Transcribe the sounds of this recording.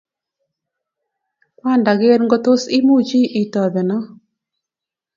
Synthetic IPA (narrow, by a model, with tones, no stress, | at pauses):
pa˦˨nda˨ɣe˦ɾŋɡo˦to˦si˦mu˦t͡ʃi˦ʔi˨tɔ˨ðɛ˨nɔ˦